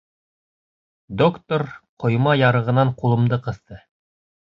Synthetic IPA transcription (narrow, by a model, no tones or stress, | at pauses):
d̪okt̪oɾqŏjmɑjɑɾɤ̆ʁɤ̆nɑɴqulˠɤ̆md̪ɤqɤ̆θt̪ɤ